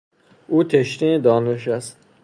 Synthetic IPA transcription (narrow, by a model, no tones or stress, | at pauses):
ʔuːt̪ʰeʃt̪id̪ɒːneʃ̬æst̪̚